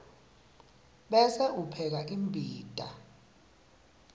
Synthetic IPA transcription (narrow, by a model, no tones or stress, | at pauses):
ɓɛsɛʔupʰɛk̬aʔimbʱiːd̥ʼʱa̰